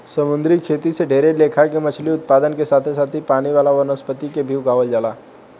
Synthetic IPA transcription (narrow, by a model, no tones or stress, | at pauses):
sɐmʊ̃nd̪ɾikʰeːt̪iseɖʱeːɾeleːkʰakemɐt͡ʃʰliʊt̪̚paːd̪ənkesaːt̪ʰes̬aːt̪ʰipaːɽ̃iʋaːlaʋɐɾnəspət̪ikebʱiːwɡaːʋəld͡ʒaːlaː